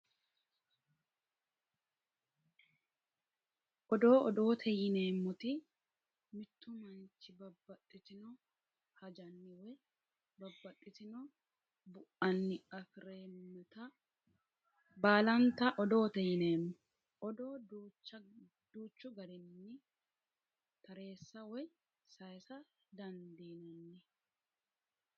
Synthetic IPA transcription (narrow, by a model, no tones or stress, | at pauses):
ʔɔd̪o̞ːɔd̪o̞ːt̪ʰɛjɪne̞ːmːɔt̪ɪ | mɪt̪ʰːʊmɐnt͡ʃːɪbɐbːɐᶑɪt̪ɪnɔ | hɐd͡ʒɐnːɪwɛ | bɐbːɐᶑʼɪt̪ɪnɔ | bʊʔɐnːɪɐfɪɾeːmːɛt̪ɐ | baːlɐnt̪ɐʔɔd̪o̞ːt̪ɛjɪneːnːɛ | ɔd̪oːdut͡ʃːɐ | d̪uːt͡ʃːʊɡɐɾɪnːɪ | t̪ɐɾe̞ːsːɐwɔj | sɐjsɐ | d̪ɐnd̪inɛnːɪ